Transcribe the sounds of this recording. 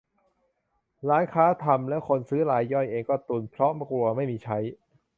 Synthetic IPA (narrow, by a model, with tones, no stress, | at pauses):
ɾaː˦˥nkʰaː˦˥t̪ʰa˧mlɛ˦˥ʔkʰo˧nsɯː˦˥ɾaː˧jːɔ˥˩jʔeː˧ŋkɔː˥˩t̪u˧˩npʰɾɔ˦˥ma˧˩klu˨˧˩ɐma˥˩jmiː˧t͡ɕʰa˦˥j